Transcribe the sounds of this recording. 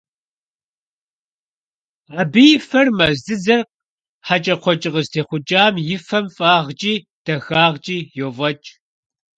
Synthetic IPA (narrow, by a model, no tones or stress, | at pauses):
aːbijɪfɐrmɐzɨzɐrq | ħat͡ʃʼɐqʷʰɔt͡ʃʼɪʁəztʰeːχʷʊt͡ʃʼaːmjɪfɐmfʼaːʁt͡ʃʼiː | d̥ɐxaːʁt͡ʃʼiːjoːvɐt͡ʃʼ